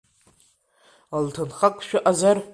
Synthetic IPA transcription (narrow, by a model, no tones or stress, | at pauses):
altʰɨnχakʷʼʃᶣaʔazar